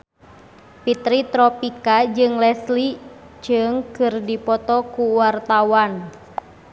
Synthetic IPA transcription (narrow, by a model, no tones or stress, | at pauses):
pit̪ɾit̪ɾɔpikad͡ʒɨŋlɛsli | d͡ʒɨŋkɨrdipɔt̪ɔkuwart̪awan